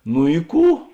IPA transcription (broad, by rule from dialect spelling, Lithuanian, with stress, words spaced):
nʊ ɪ ˈkuː